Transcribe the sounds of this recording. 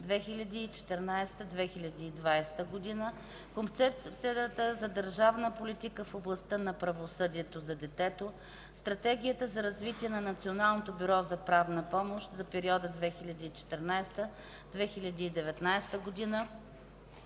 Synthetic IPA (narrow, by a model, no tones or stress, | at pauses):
d̪vɛxilʲɐd̪iːt͡ʃɛ̥t̪ɛɾnajst̪əd̪vɛxilʲɐd̪iːd̪vajst̪əɡod̪inə | kont̪sɛp̚t̪sipt̪sit̪əzɐd̪əɾʒavnəpolit̪ikəfoblˠɐst̪ɤnɐpɾɐvosɤd̪iɛt̪ozɐd̪ɛt̪ɛt̪o | st̪ɾɐt̪ɛɡ̟ʲijət̪əzɐɾɐzvit̪iɛnɐnɐt̪sionalˠnot̪obyɾɔzɐpɾavnəpɔmoʃt̪zɐpɛɾiɔd̪əd̪vɛxilʲɐd̪iːt͡ʃɛ̥t̪ɛɾnajst̪ə | d̪̥vɛxilʲɐd̪iːd̪ɛvɛt̪najst̪əɡod̪inə